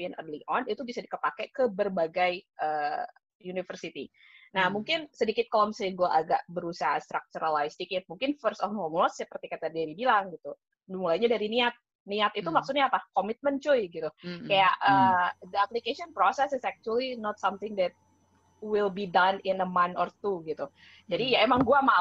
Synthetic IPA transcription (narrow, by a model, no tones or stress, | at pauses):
iənʔə̰rliʔɔnit̪ubisadikəpakɛkəbərbaɡajʔəː | junifərsit̪ḭ | nahmuŋkɪnsədikɪt̪̚kalɔmsəɡuaʔaɡaʔbəɾusaɦast̪ɾak̚t͡ʃuɾalajsədikɪt̪̚muŋkɪnfərsɔfhɔmlɔssəpərt̪ikat̪adaɾibilaŋɡit̪u | dmulajɲadaɾiniat̪̚ | niat̪it̪umaksʊt̪ɲapakomit̪̚mənt͡ʃojɡit̪ukajaʔəːd̪əaplikeʃiɔnpɾosɛsɪsɛk̚t͡ʃuəlinɔt̪samt̪ɪŋd̪ɛt̪̚ | wɪlbidanɪnəmanɔrt̪uɡit̪u | d͡ʒadijaemaŋɡuama